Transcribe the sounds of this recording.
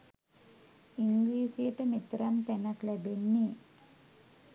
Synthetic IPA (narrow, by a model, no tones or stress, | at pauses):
iŋɡliːsijɐʈːɐmit̪ɾɐmt̪ɛnɐklɐbenːi